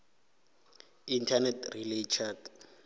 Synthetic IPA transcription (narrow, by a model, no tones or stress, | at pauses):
intʰanɛtrilet͡ʃʰak